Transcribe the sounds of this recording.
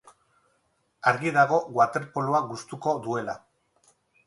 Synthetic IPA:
aɾɣiðaɣ̞o̞ɣwat̪e̞ɾpoluaɣust̪uko̞ðue̞la

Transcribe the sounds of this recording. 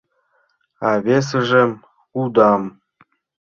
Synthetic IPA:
ɑβes̬eʒĕm | kud̪ɑm

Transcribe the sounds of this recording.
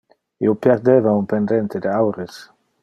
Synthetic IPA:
ḭwpjeɾd̪evaumpend̪ent̪ed̪eawɾes

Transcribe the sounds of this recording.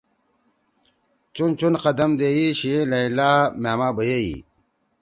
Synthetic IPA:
t͡ɕunt͡ɕunqɐd̪ɐmd̪eːjiɕilɐilamaːmaːbɐjeḭ

